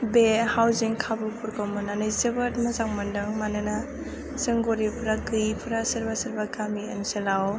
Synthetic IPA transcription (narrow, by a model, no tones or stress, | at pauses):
behawziŋkʰabupʰuɾkʰawmɯnanɯjzɯbɯt̚mɐzaŋmandɯŋmanɯna | sɯŋɡoɾipʰɯɾaɡɯjpʰuɾasɐɾbasɐɾbaɡamiənselaw